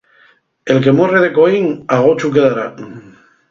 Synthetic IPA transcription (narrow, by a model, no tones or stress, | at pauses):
e̞lke̞moreðe̞koiŋaɣ̞ot͡ʃukeðaɾa